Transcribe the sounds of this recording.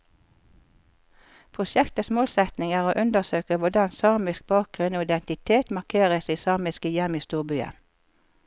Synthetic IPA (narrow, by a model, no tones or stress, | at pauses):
pʰʁʊʃɛkt̪əsmoːlsɛt̪nɪŋæːʁoːʔʉnd̪əsøːkəʋʊd̪ɑnsɑʁmɪsk̚bɑːk̚ɡ̥ʁʉnoːɪd̪ɛnt̪ɪt̪ʰeːt̪mɑkʰeːʁəsiːsɑʁmɪskəjɛmiːst̪uːʁbyːə̰